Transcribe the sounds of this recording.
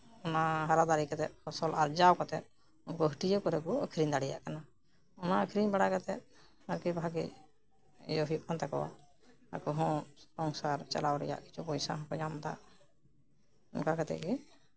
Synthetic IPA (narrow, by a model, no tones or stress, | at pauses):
ɔnaɦaɾad̪aɾikat̪ɛt̪̚ɔsɔlaɾd͡ʒawkɔt̪ɛ̰t̪̚ | unkɔɦiʈid͡ʒɔkɔɾɛkɔɔkʰɾiɲd̪aɽɛja̰ʔkana | ɔnaːkʰɾiɲbaɽakat̪ɛ̰t̪̚ | aɾkɛbʱaɡɛ̰ | ɛ̰jɔɦjuʔ̚kʰant̪ɛkɔ̰wa̰ | a̰kɔɦɔ̃sɔŋsaɾt͡ʃa̰lawɾɛ̰ja̰ʔki̥t͡ʃʰupɔjsa̰ɦɔ̃kɔd͡ʒamt̪a̰ʔ | ɔnkakat̪ɛ̰ʔki